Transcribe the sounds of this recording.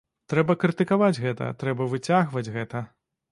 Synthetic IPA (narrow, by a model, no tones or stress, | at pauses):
t̪ɾɛbɐkɾɨt̪ɨkavad͡zʲɣɛt̪ɐ̰t̪ɾɛbɐvɨt͡sʲaɣvɐd͡zʲɣɛt̪ɐ